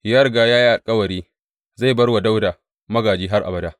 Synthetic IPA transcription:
jɐ˦rɡaː˨jaː˦ji˦ʔa˨lkʼɐ˦wɐ˨ɾiː˦ | za˦˨jbɐ˦rwa˨da˦wdaː˨ | mɐ˦ɡaː˨d͡ʒiː˦ɦa˦rʔa̰˨bɐ˦daː˦

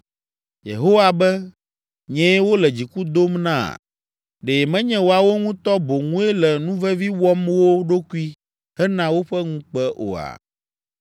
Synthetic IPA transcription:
jḛ˨ɦo˦wa˨bɛ˦ | ɲɛ̃˦wo˦lɛ˨d͡ʑi˨ku˦d̪o˦mnã̰˦˨ | ɖe˨mɛ̃˦ɲɛ̃˦wo˨a˨wo˦ŋũ˦t̪ɔ˦bo˨ŋũ˦ɛ˦lɛ˨nũ˦vɛ˦vi˦wɔ˦mwo˦ɖo˦ku˦i˦ | hɛ˦nã˦wo˦ɸɛ˦ŋũ˦k͡pɛ˦ʔo̰˨a̰˨

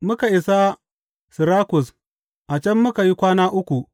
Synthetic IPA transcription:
mʊ˦ka˨ʔɪ˨sa˦ | sɪ˨ɾaː˦kʊ˨s | ʔa˨t͡ʃɛ˦mːʊ˦ka˨ji˦kʷaː˦naː˦ʔʊ˦kʷu˨

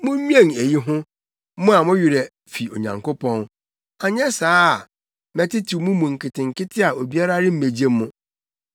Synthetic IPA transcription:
mʊ̃˦ɲĩ˦ɛ̃˦˨ne˨ji˦ɦʊ̃˦ | mʊ̃˦a˨mʊ̃˦ɥɪ˨ɾɛ˨ | fi˨o˨ɲã̰˨ŋko˦pʰɔ̃˦n | a˨ɲɛ˦saː˦˨ | mɛ˨tɪ˦tʰu˨˦mʊ̃˦mũ˨ŋ̩˨kʰɪ˨tɪ̃˨ŋkɪ˦tʰɪ˦a˨o˨bi˦a˦ɾa˦ɾɪ˦m̩˦me˨d͡ʑe˦mːʊ̃˦˨

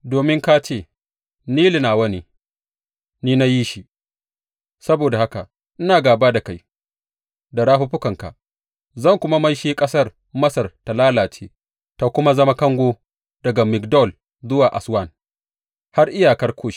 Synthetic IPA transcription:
doː˨mɪ˦ŋka˦t͡ʃeː˦˨ | niː˦li˨naː˨wɐ˦niː˦ | niː˦na˦ji˦ʃi˨ | sɐ˦boː˨da˨ha˦ka˨ | ʔɪ˦naː˨ɡaː˨baː˦da˨ka˦˨j | da˨ɽaː˦ɸʊ˦ɸʊ˦kɐ˨ŋka̰˨ʔ | zɐ˦˨ŋkʷʊ˦ma˦mɐ˦jʃeː˦kʼɐ˦sɐ˦r | mɐ˦sɐ˨rta˨laː˦laː˨t͡ʃeː˦ | ta˨kʷʊ˦ma˦zɐ˦ma˦kɐ˦ŋɡʷoː˦ | dɐ˨ɡa˨mɪ˨kdɔ˦˨l | zʊ˦waː˨ʔa˨swɐ˦˨n | ha˦rʔɪ˦jaː˨kɐ˦rkʷʰoː˦˨ʃi̥˦

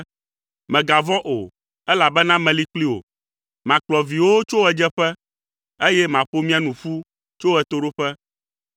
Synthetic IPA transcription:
mɛ̃˨ɡa˨vɔ̃˦ʔo˨ | ɛ˦la˨bɛ˦nã˦mɛ̃˨li˦k͡pli˦wo̰˨ | mã˨k͡plɔ˨vi˨wo˦t͡ʃo˦wɛ˨d͡ʒɛ˦ɸɛ˦ | e˦jɛ˦mã˨ɸo˦mĩ˦a˨nũ˨fu˦ | t͡ʃo˦wɛ˨t̪o˦ɖo˦ɸɛ˦

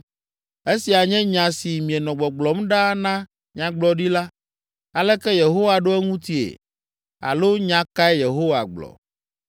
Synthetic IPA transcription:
e˦si˨a˨ɲɛ̃˦ɲã˨si˨mĩ˨ɛ˨nɔ̃˨ɡ͡bɔ˨ɡ͡blɔ˨mɖa˦nã˦ | ɲã˨ɡ͡blɔ˦ɖi˦la˦ | a˨lɛ˦kɛ˦je˨ɦo˦wa˨ɖo˦ɛ˦ŋũ˦t̪i˦ḛ˨ | a̰˨lo˦ɲã˨ka˦ɛ˦je˨ɦo˦wa̰˨ɡ͡blɔ̰˨

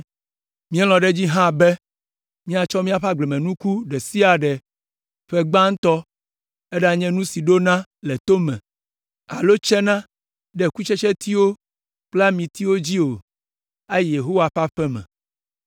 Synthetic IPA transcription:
mĩ˦ɛ˦l̃ɔ̃˨ɖɛ˦d͡ʑi˦ɦã˦bɛ˦ | mĩ˦a˨t͡ʃɔ˦mĩ˦a˨ɸa˦ɡ͡blɛ˨mɛ̃˨nũ˦ku˦ɖɛ˨si˦a˨ɖɛ˨ | ɸɛ˦ɡ͡bã˦ŋ̩˦t̪ɔ˦ | e˦ɖa˨ɲɛ̃˦nũ˦si˨ɖo˦nã˦lɛ˨t̪o˦mɛ̰̃˨ | a̰˨lo˦t͡ʃɛ˦nã˦ | ɖɛ˨ku˦t͡ʃɛ˦t͡ʃɛ˦t̪i˦wo˦ | k͡pla˦mĩ˨t̪i˦wo˦d͡ʑi˦o˨ | a˦je˨ɦo˦wa˨ɸa˦ɸɛ˦mɛ̰̃˨

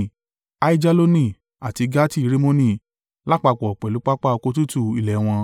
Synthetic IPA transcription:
a˦i˦d͡ʒa˦lo˦nĩ˦˧˨ | a˨ti˨˧ɡa˦ti˦i˧˦ɾe˦mõ˦nĩ˦˨ | la˦k͡pa˧˨k͡pɔ˨ɔ˨k͡pɛ˨lu˨˦k͡pa˦k͡pa˦ɔ˧ko˧˦tu˦tu˦˨i˨lɛ˨˦w̃ɔ̃˧

